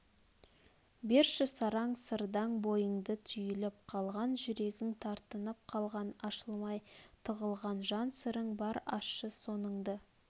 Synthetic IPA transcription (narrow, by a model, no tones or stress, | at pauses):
beɾʃɪsɑɾɑɴsəɾd̪ɑŋbo̞jəɴd̪ət̪ʰʏjɪlɪp̚qʰɑlˠʁɑnʒʏɾe̞ɡʲɪŋt̪ʰɑɾt̪ənəp̚qʰɑlˠʁɑnɑʃəlˠmɑjt̪ʰəʁəlˠʁɑnʒɑnsɪɾɪŋbɑɾɑːəso̞nəŋd̪ə